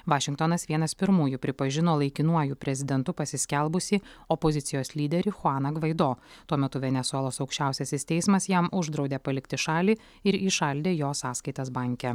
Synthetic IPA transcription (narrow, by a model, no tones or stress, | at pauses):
ʋɑːʃʲɪ̃ŋkt̪onɐsʋʲiɛnɐspʲɪɾmuːjʊpʲɾʲɪpɐʒʲɪnoːlˠɐɪkʲɪnuɔjuːpʲɾʲɛzʲɪd̪ʲɛnt̪ʊpɐsʲɪsʲkʲɛlˠbʊsʲiɔpɔzʲɪt̪ʲɪjoːslʲiːd̪ʲɛɾʲɪxʊɑːnɐɡʋɐɪd̪oːt̪uɔmʲɛt̪ʊʋʲɛnʲɛsʊɛlˠoːsɒʊkʃʲt͡ʃʲæˑʊsʲɛsʲɪst̪ʲɛɪsmɐsjɛmʔʊʒd̪ɾɒʊd̪ʲeːpɐlʲɪkt̪ʲɪʃɑːlʲiː | ɪɾiːʃɐlʲd̪ʲeːjoːsɑːskɐɪt̪ɐs̬bɑˑŋʲkʲɛ